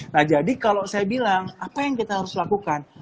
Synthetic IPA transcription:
nahd͡ʒadikalosajabilaŋapajaŋkit̪aɦaɾʊslakukan

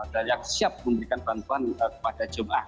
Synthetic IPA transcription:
daɾiak̚siap̚məmbəɾikanpɾant̪uɦanəkə̥padad͡ʒəmaʔa̰h

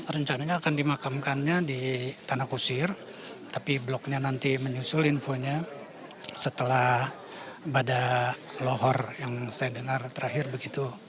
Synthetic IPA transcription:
ɾəɲt͡ʃanaɲaːkandimakamkanɲadit̪anakusɪr | t̪apiblɔk̚ɲanant̪iməɲusʊlinfoɲa | sət̪əlah | badaloɦɔrjaŋsajadəŋart̪əɾaɦɪrbəɡit̪u

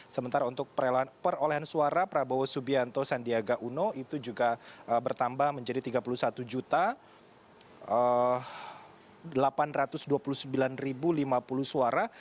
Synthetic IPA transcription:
səmənt̪aɾaunt̪ʊk̚pəɾpəɾoleɦansuaɾapəɾabawasubiant̪osandiaɡaʔunoit̪ud͡ʒuɡaʔəbərt̪ambahməɲd͡ʒadit̪iɡapulusat̪ud͡ʒut̪a | ə | əlapanrat̪ʊsduapulusəmbilanribulimapulusuaɾa

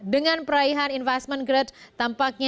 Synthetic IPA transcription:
dəŋanpəɾaiɦaninfɛst̪̚mənɡɾət̪̚t̪ampak̚ɲa

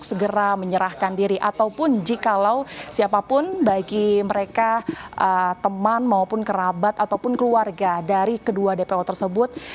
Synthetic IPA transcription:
ksəɡəɾaməɲəɾahkandiɾiʔat̪awpʊnd͡ʒikalawsiapapʊnbaɡiməɾekaʔət̪əmanmaopʊnkəɾabat̪at̪awpʊnkəluarɡadaɾikəduadepeɔt̪ərsəbʊt̪̚

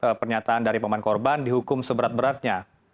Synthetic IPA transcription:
əpərɲat̪aːndaɾipamankɔrbandiɦukʊmsəbəɾat̪̚bəɾart̪̚ɲa

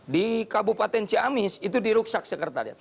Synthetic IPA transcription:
dikabupat̪ɛnt͡ʃiamisit̪udiɾuk̚sak̚səkərt̪a̰rja̰

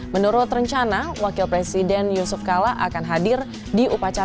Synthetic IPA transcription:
mənuɾʊt̪rəɲt͡ʃanawakɪlpɾesidɛnjusʊfkalaʔakanɦadɪr | diupat͡ʃa

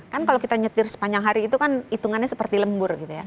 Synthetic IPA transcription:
kankalokit̪aɲət̪ɪrsə̥paɲd͡ʒaŋɦaɾiːt̪ukanit̪uŋanɲasəpərt̪iləmbʊrɡit̪uja

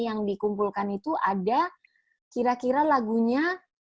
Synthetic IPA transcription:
jaŋdikumpulkanit̪uʔada | kiɾakiɾalaɡuɲa

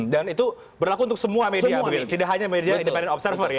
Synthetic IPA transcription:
danit̪u | bərlakunt̪ʊk̚səmuamediabəɡit̪ut̪idaʔɦaɲamediaindəpɛndɛnɔpsərfərja

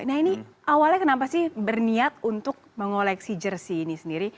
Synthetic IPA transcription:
naini | awalɲakənapasɪhbərniat̪̚unt̪ʊk̚məŋolɛksid͡ʒərsiːnisəndiɾi

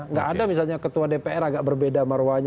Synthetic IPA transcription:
ŋɡaʔːdamisalɲakət̪uadepeɛɾaɡaʔbərbedamərwaɲ

